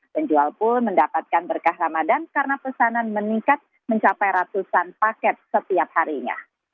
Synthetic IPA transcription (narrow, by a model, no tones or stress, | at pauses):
pəɲd͡ʒualpʊnməndapat̪̚kanbərkahramadankaɾənapəsananməniŋkat̪̚ | məɲt͡ʃapajɾat̪usanpakɛt̪̚sət̪iap̚haɾiɲa̰